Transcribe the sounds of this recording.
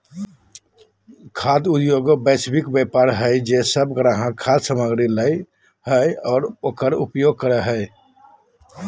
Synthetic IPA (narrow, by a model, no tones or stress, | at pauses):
kʰad̪ud̪joɡobɛsbikbepaɾɦəɪd͡ʒesəbɡɾaɦãkʰad̪səməɡɾiləj | həjɔːɾoːkəɾṵpjoɡ̚kəɾəɦəj